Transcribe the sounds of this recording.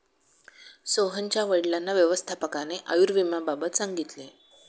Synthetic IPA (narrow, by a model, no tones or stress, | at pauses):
soɦənt͡ɕjaʋəɽlanːaʋjəʋəst̪ʰapəkaneʔəjuɾʋimababət̪saŋɡit̪le